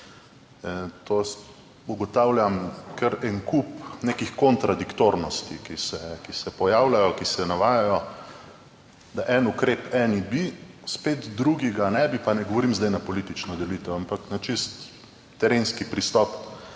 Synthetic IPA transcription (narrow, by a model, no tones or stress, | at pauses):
t̪os | uɡɔt̪aːwljamkʰəɾɛŋkupneːkixkɔnt̪ɾad̪ikt̪oɾnɔst̪ikisɛkisɛpɔjaːwlajɔkisɛnaʋaːjajɔ | d̪aʔɛnukɾeːpɛːnibispeːt̪d̪ɾuɡiɡanɛbipanɛɡɔʋɔɾiːmzd̪ajnapɔlit̪it͡ʃnɔd̪ɛliːt̪ɛwampaknat͡ʃist̪ː | ɛɾenskipɾist̪ɔp